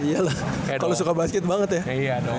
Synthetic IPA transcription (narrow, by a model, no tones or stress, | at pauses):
ialakalosukabaskɛt̪̚baŋət̪jaijad